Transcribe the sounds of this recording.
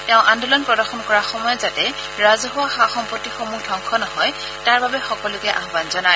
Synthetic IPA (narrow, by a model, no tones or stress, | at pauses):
tɛʊ̃ʔandɔlɔnpɹɔdɔɹxɔnkɔɹaxɔmɔjɔzatɛ | ɹazɔɦʊwaxaxɔmpɔtːixɔmuɡdʱɔŋkʰɔnɔhɔj | taɹbabɛxɔkɔlʊkɛʔaɦbanzɔnaj